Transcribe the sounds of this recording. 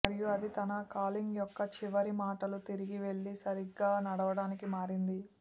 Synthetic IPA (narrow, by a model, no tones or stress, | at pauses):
ɐɾijuɐd̪it̪ɐnɐkaːliŋɡjɔkːɐt͡ʃiʋɐɾimaːʈɐlut̪iɾiɡiʋe̞ɭːisɐɾiɡːaːnɐɽɐʋɐɽaːnikimaːɾind̪i